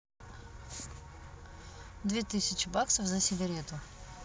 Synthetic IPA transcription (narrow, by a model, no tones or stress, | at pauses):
d̪vʲet̪ɨsʲɪt͡ɕɪbaksəfzəsʲɪɡɐɾʲet̪ʊ